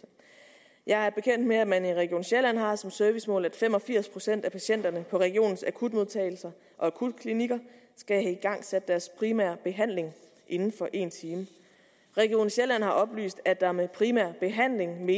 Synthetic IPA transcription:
jɑ̈ɪæb̥e̝kʰem̰n̰d̥meæmæniʁɛɡ̥io̝̰ːnɕelæn̰ɦɑ̈sɒ̽msœɐʋismɔ̰̽læd̥fem̰ɒ̽fiɐ̰spʰʁo̝sen̰d̥æpʰæɕen̰d̥ɐnəpʰɒ̽ʁɛɡ̥io̝̰ːn̩sækʰud̥mo̝ðˠt͡sʰɛ̰ːɪl̩sɐ | ʔɒ̽ækʰud̥kʰliniɡ̥ɐ | sɡ̥æɦɛiɡ̥ɑ̈ŋ̰sed̥d̥æɐspʰʁimæ̰ɐb̥e̝ɦæn̰le̝ŋ | ʔe̝nn̩fɒ̽ʔe̝̰ːnt͡sʰiːmə | ʁɛɡ̥io̝̰ːnɕelæn̰ɦhɑ̈ʔɒ̽b̥ly̰ːsd̥æd̥ɑ̈ɐmepʰʁimæɐ̰b̥e̝ɦæn̰le̝ŋme̝ː

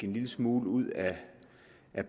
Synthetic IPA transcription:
e̝nliləsmuːləuð̞̰ˠæ | ʔæb̥

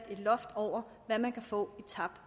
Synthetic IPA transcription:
d̥e̝d̥lɒ̽fd̥ɒʊ̰ɐ | ʋæmænkʰæfɔ̰̽ːit͡sʰɑ̈b̥̚d̥

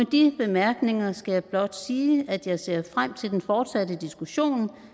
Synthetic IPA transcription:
ed̥ib̥e̝mæɐɡ̥ne̝ŋɐsɡ̥æjɑ̈ɪb̥lɒ̽d̥siːæd̥jɑ̈ɪse̝̰ːɐfʁam̰t͡sʰe̝ld̥enfɒːd̥sædəd̥isɡ̥uɕo̝̰ːn

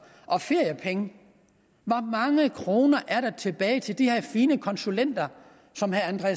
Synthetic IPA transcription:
ʔɒ̽fe̝ɐ̰jəpʰeŋə | ʋɑ̈mɑ̈ŋəkʰʁo̝ːnɐʔæɐɾɑt͡sʰe̝b̥ɛːɪt͡sʰe̝ld̥ihe̝ɐ̰fiːnəkʰɒ̽nsulen̰d̥ɐ | sɒ̽mhæænd̥ʁɛ

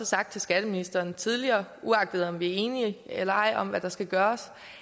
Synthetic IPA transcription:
ɒ̽sɑ̈ɡ̥̚d̥̚t͡sʰe̝lsɡ̥æd̥əminisd̥ɐːnt͡sʰið̞ˠliɐːʔuɑ̈ɡ̥d̥əð̞̩ˠɒ̽mʋiæɐe̝ːniəelɐɑ̈ɪ̰ɒ̽mʋæd̥ɑ̈sɡ̥æɡ̥ɶːɐs

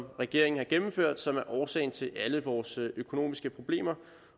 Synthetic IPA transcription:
mʁɛɡ̥e̝ɐ̰e̝ŋn̩hɑ̈ɡ̥emm̩føɐ̰d̥sɒ̽mæɐʔɒːsɛ̰ɪn̩t͡sʰe̝lʔæləʋɒːsʔøkʰo̝no̝̰ːmisɡ̥əpʰʁo̝b̥le̝̰ːmɐ

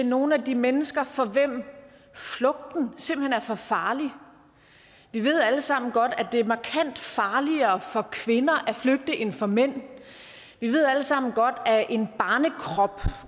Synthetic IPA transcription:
eno̝ːn̩æd̥imenəsɡ̥ɐfɒ̽ʋem̰ | flɔ̽ɡ̥̚d̥n̩se̝m̰b̥l̩henæɐfɒ̽fɑ̈ːli | ʋiʋe̝ð̞̰ˠæləsɑ̈m̰n̩ɡ̥ɒ̽d̥æd̥e̝æɐmɑ̈kʰæn̰d̥fɑ̈ːliɐːfɒ̽kʰʋe̝nɐʔæfløɡ̥̚d̥əʔe̝nfɒmen̰ | ʋiʋe̝ð̰ˠæləsɑ̈m̰n̩ɡ̥ɒ̽d̥æʔe̝nb̥ɑ̈ːnəkʰʁɒb̥

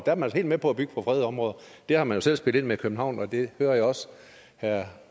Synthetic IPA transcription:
d̥æɐmænælshe̝̰ld̥mepʰɒ̽æb̥yɡ̥əpʰɒ̽fʁɛːð̞̩ˠɒ̽mʁɔːðˠɐ | d̥ehɑ̈mænjo̝sel̰sb̥eld̥e̝nmekʰøb̥n̩hɑ̈ʊ̰nɒ̽d̥e̝høːɐjaɒ̽s | hæɐ̰

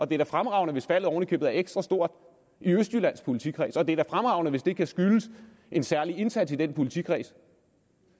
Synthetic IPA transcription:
ʔɒ̽d̥e̝æɐd̥æfʁamʁɑ̈ʊnəʋe̝sfæl̰ð̩ˠɒːʊnəkʰøb̥ð̩ˠæɐeɡ̥sd̥ʁɑsd̥o̝ɐ̰d̥ | iøsd̥ylæn̰spʰo̝lit͡sʰḭkʰʁḭːsəɒ̽d̥e̝æɐd̥æfʁamʁɑ̈ʊnəʋe̝sd̥e̝kʰæsɡ̥yləs | ʔe̝nsæɐlie̝nsæd̥sid̥enpʰo̝lit͡sʰḭkʰʁḭːsə̥

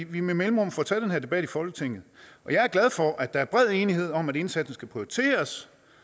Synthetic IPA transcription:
ʋimemelmʁɔ̽mfɒt͡sʰæd̥enhæɐd̥e̝b̥æɾ̥ifɒ̽lɡ̥ət͡sʰeŋ̰ð̩ˠʔɒ̽jɑ̈ɪæɐɡ̥læð̞ˠfɒ̽ʔæd̥ɑ̈æɐb̥ʁɛð̞̰ˠe̝ːnihe̝ð̞̰ˠɒ̽mæɾ̥e̝nsæd̥n̩sɡ̥æpʰʁiot͡sʰe̝̰ːɐs

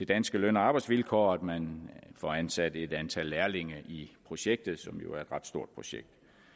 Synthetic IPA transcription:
d̥e̝d̥ænsɡ̥əløn̰ɒɑ̈ːb̥ɑ̈ɪd̥sʋilkʰɒ̰ːæd̥mænfɒænsæd̥əe̝d̥ænt͡sʰælːæɐle̝ŋɐʔipʰʁo̝ɕeɡ̥̚d̥ð̩ˠsɒ̽mjo̝æɐe̝d̥ʁɑ̈d̥sd̥o̝ɐ̰d̥̚pʰo̝ɕeɡ̥̚d̥

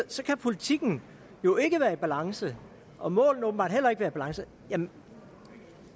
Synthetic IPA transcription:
sɒ̽kʰæpʰo̝lit͡sʰiɡ̥n̩ | jo̝e̝ɡ̥əʋæːɐib̥ælɑ̈ŋsə | ʔɒ̽mɔ̰̽ːln̩ɔ̽b̥m̩bɑ̰̈d̥hel̰ɐe̝ɡ̥ʋæːɐib̥ælɑ̈ŋsə | jæ

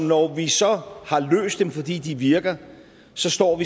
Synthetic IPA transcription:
mnɒʋisɒ̽hɑ̈lø̰ːsd̥ːemfɒ̽d̥ḭːd̥iʋiɐɡ̥ɐ | sɒ̽sd̥ɒ̰ːʋi

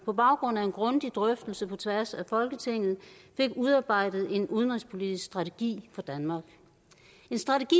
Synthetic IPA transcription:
pʰɒ̽b̥ɑ̈ʊɡ̥ʁɔ̽n̰æe̝nɡ̥ʁɔ̽nd̥id̥ʁœfd̥əl̩səpʰɒ̽t͡sʰʋæɐsæfɒ̽lɡ̥ət͡sʰe̝ŋ̰ð̞̩ˠfe̝ɡ̥uðˠɑ̈ːb̥ɑ̈ɪ̰d̥ð̩ˠe̝nʔuð̞ˠənʁispʰo̝lidisɡ̥sd̥ʁɑ̈t͡sʰe̝ɡ̥ḭːfɒ̽d̥ænmɑ̈ːɡ̥ | e̝nsd̥ʁɑ̈t͡sʰeɡ̥i

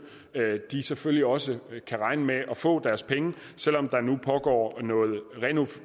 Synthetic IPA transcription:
d̥iseføljiɒ̽səkʰæʁɑ̈ɪnəmeʔɒ̽fɔ̰̽ːd̥æɐspʰeŋə | sel̰ɒ̽md̥ɑ̈nupʰɒ̽ɡ̥ɒ̰ːnɔ̽ːð̩ˠʁɛno

